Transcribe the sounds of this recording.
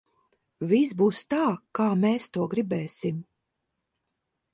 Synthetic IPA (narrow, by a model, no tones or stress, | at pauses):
vis̬buːst̪aːkaːmɛːst̪uɔɡɾibɛːsim